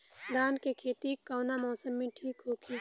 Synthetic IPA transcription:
d̪aːnkekʰeːt̪ikaːnamɔːsəmːẽʈʰiːkɦoːkʰi

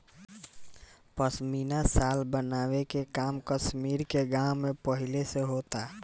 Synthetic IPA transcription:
pəsminasalbənaːwekekaːmkəsmiɾkeɡãwmẽpəɦileseɦot̪a

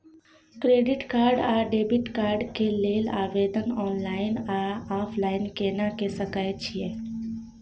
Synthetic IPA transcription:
kɾeːɖɪʈkaːɾɖaːɖeːbɪʈkaːɾɖkeleːlaːʋeːd̪ənɔːnlaːɪnaaːpʰlaːɪnkeːnakesəkaːjt͡ʃʰie

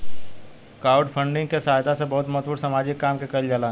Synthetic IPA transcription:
kaːʊɖpʰə̃ɳɖɪ̃ŋɡkesaːɦd̪asebɐɦʊt̪mɐɦt̪puːɾsɐmaːd͡ʒɪkːaːmkekɐld͡ʒalaː

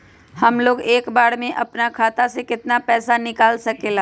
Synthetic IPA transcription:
hɐmloːɡeːkbaːɽmẽʔɐpnakʰaːt̪asekɪt̪napɛːsanɪkaːlsɐkeːlaː

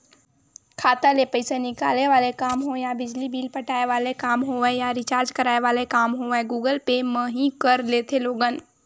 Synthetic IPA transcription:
kʰaːt̪alepəɪsenɪkaːleʋaːlekaːmɦojabɪd͡ʒlibiːlpəʈaːeʋaːlekaːmɦoɛjaɾɪt͡ʃaːɾd͡ʒkəɾaːeʋaːlekaːmɦoɛ̃ɡuːɡəlpemə̃ɦĩkəɾleːt̪ʰeloːɡən

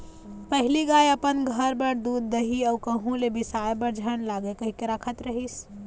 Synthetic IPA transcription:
pəɦiliɡajəpənɡʱəɾbəɾd̪ud̪ːəɦiəukəɦũlebisajbəɾd͡ʒʱəñlaɡekəɦikeɾakʰət̪ɾəɦis

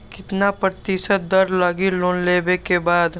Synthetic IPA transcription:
kɪt̪napɾət̪ɪʃət̪̚d̪ɐɾlɐɡiloːnleːbekebaːd̪

